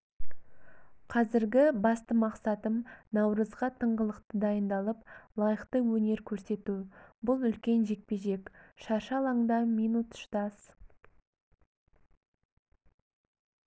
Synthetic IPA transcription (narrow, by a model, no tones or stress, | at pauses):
qʰɑzɪɾɡʲɪbɑst̪əmɑqsɑt̪əmnɑwɾəzʁɑt̪ʰəɴʁəlˠəqt̪əd̪ɑjənd̪ɑlˠəplˠɑjəqt̪əwɵne̞ɾkʲʰɵɾse̞t̪ubʊlˠʏlkʲe̞nʒe̞k̚pe̞ʒe̞kʃɑɾʃɑlˠɑɴd̪ɑmijnut̪ʊ̥ʃt̪ɑs